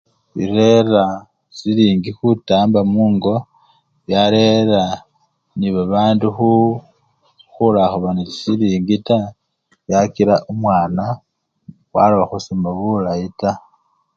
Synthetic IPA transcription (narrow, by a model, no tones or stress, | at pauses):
iɾeɾa | siliːŋɡixutaːmbamuːŋɡo̞ | βjaɾeɾa | niβaβaːnduxu | xulaxuβaniisiliːŋɡita | βjakiɾaʔumwaːna | xwa̰loβaxusomaβulaita